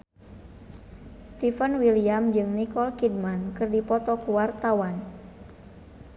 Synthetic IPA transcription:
st̪ifənwiliamd͡ʒɨŋnikɔlkid̚mankɨrdipɔt̪ɔkuwart̪awan

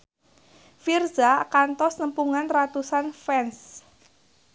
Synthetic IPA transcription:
firzakant̪ɔsnəmpuŋanrat̪usanfɛns

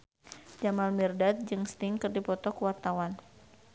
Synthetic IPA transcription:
d͡ʒamalmirdat̪̚d͡ʒɨŋst̪ɪŋkɨrdipɔt̪ɔkəwart̪awan

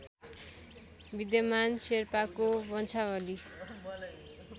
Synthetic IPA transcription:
bid̪jʌmanserpakobʌnt͡sʰawʌli

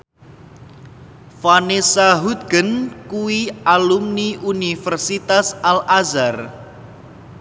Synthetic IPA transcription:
fanesaɦud̪̚ɡ̥ənkuwialumniʔunifərsit̪asalazar

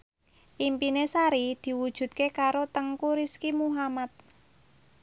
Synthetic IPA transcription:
ʔimpinesaɾid̪̥i̤wud̥ʒ̥ṳt̪̚kekaɾot̪əŋkuɾiskimuɦamat̪̚

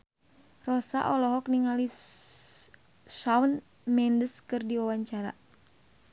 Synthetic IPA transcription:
rɔsa̰ʔɔlɔɦɔk̚niŋali | sawn | mɛndəskɨrdiwawaɲt͡ʃaɾa̰

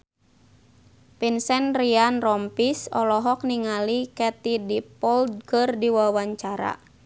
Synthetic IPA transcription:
pinsɛnrianrɔmpisɔ̰lɔɦɔk̚niŋalikɛt̪idipɔld̪̚kɨrdiwawaɲt͡ʃaɾa̰

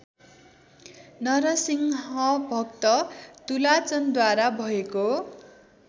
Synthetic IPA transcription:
nʌɾʌsiŋɦʌbʱʌkt̪ʌt̪ulat͡sʌnd̪waɾabʱʌeko

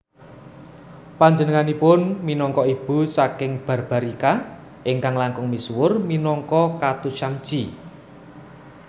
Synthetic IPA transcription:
paɲd͡ʒənəŋanipʊnminɔŋkɔib̥ṳsakɪŋb̥a̤rb̥a̤ɾika | ʔɪŋkaŋlaŋkʊŋmiswʊrminɔŋkɔkat̪uʃam̥d͡ʒ̥i

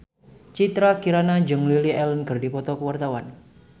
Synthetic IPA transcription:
t͡ʃit̪ɾakiɾanad͡ʒəŋliliʔɛlənkɨrdipɔt̪ɔkəwart̪awan

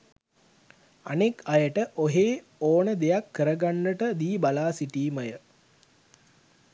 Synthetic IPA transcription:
anekajəʈəʔoɦeː | oːnəd̪ejakʰːəɾəɡanːəʈəd̪iːbalaːsiʈiːməjə

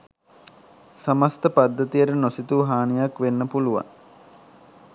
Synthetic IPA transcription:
sɐməst̪əpad̪ːət̪ijəɾənosit̪uɦaːnijakʋenːəpuluʋa̰ŋ

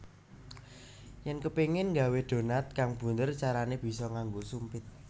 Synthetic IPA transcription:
jɛnkəpeŋɪnŋɡa̤wed̥o̤nat̪̚kaŋb̥ṳnd̪ərt͡ʃaɾaneb̥i̤sɔŋaŋɡosumpɪt̪̚

